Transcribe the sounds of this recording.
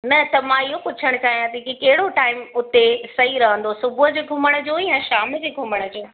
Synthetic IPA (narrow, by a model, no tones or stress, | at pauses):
nɐt̪ɐmãɪɦopʊt͡ɕʰəɽ̃kʰaːɦjãt̪ʰikikɐɦɪɽoʈaːɪmʊt̪esɐɦiɾɐɦə̃nd̪osʊbʱʊɦʊd͡ʑeːɡʱʊməɽ̃ʊ̆d͡ʑoːijãʃaːmd͡ʑeːɡʱʊməɽ̃ʊ̆d͡ʑoː